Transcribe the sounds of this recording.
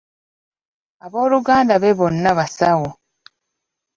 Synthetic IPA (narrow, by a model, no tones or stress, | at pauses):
aβo̞ːluɡaːndaβeβo̞nːaβasaɣo